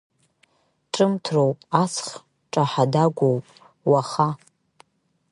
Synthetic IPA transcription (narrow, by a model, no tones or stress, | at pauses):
ʈ͡ʂʼɨmtʰrowpʼasʰχ | ʈ͡ʂʼaħadaɡʷowpʼ | waχa